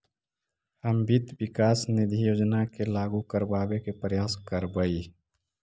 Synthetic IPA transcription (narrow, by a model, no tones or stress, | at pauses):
əmbit̪bɪkaːsnɪd̪ʱijoːd͡ʒnakelaːɡukəɾbaːbekepɾəjaːskəɾbəi